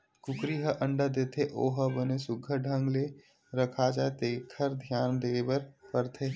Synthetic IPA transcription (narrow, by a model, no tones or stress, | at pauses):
kʊkɾiɦəʔə̃ɳɖəd̪eːt̪ʰeʔoːɦəbənesʊɡʱəɖʱə̃ŋɡle | ɾəkʰad͡ʒaːet̪eːkʰəɾd̪ʱjaːnd̪eːbəɾpəɾt̪ʰeː